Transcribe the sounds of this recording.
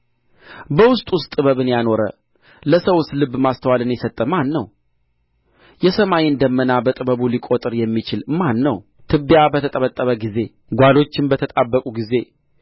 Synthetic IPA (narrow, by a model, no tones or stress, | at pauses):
bəwʊst̪ʼwʊst̪ʼɨβəβɨnjano̞ɾə̰ | ləsəwʊst̪lɨbːmast̪ʰəwalɨnjɛsət̪ʼːəmanːəw | jɛsəmajiɨnd̪əmːənabət̪ʼɨbəβulikʼot̪ʼɨɾjɛmːit͡ʃɪlmanːəw | t̪ʰɨbːjabət̪ʰət̪ʼəβət̪ʼːəβəɡize̞ | ɡʷalo̞t͡ʃːɪnbət̪ʰət̪ʼabːəkʼuɡize̞